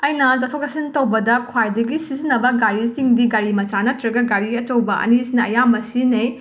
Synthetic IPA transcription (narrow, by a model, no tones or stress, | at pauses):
ɐjnɐd͡ʒatʰokɐsintɐwbɐdɐkʰwajdɐɡisizinːɐbɐɡaɾisiŋdiɡaɾimɐt͡ʃanɐtɾɐɡɐɡaɾiɐt͡ʃɐwbɐʔɐ̰nisnɐɐ̰jamɐsinɐj